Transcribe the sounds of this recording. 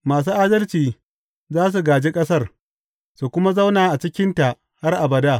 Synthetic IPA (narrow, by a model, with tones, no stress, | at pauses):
maː˨s̬uː˦ʔaː˦dɐ˦lt͡ʃiː˨ | zaː˦s̬u˨ɡaː˨d͡ʒe˦kʼɐ˦sɐ˦r | su˨kʷʊ˦ma˦za˦wnaː˨ʔa˨t͡ʃɪ˦kʲɪ˦nta˨ʔ | ha˦rʔa˨bɐ˨daː˦˨